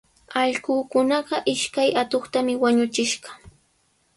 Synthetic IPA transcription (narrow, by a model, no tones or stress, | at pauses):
ɑʎɢuːkʊnɑɢɑʔɪʃkajat̪oχt̪amɪwaɲʊt͡ʃɪʃɢɑ̥